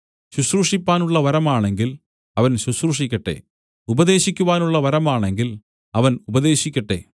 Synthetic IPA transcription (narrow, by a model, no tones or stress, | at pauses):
ɕuɕruʂipːaːnuɭːɐʋɐɾɐmaːɳe̞ŋɡil | ɐʋɐnɕusruʂikʲːɐʈːe̞̰ː | ubɐðe̞ːɕikʲːuʋaːnuɭːɐʋɐɾɐmaːɳe̞ŋɡil | ɐʋɐnubɐðe̞ːɕikʲːɐʈːe̞̰ː